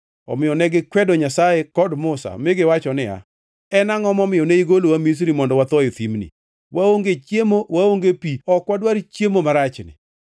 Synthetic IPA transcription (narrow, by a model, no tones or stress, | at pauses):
ɔ̰mɪjɔnɛɡɪkwɛdɔɲasajekɔdmʊsa̰mɪɡɪwat͡ʃɔnɪa̰ | ɛnaŋɔmɔmɪɔneiɡolowamis̬ɾimɔndɔwat̪ɔjɪt̪imnḭ | waoŋɡet͡ʃjemowaoŋɡepiɔkwadwaɾt͡ʃjemomaɾat͡ʃnɪ̰